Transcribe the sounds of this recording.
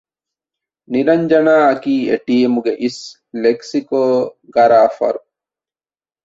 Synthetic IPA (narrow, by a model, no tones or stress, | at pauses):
niɾɐɲd͡ʒɐnaːɐkiːeʈiemuɡeʔis | leksikoːɡɐɾaːfɐ̰ɾu